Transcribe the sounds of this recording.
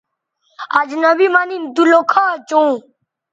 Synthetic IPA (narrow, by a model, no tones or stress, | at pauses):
ad͡ʒnəbiːmaːniːnd̪uloːkʰaːt͡ʃũː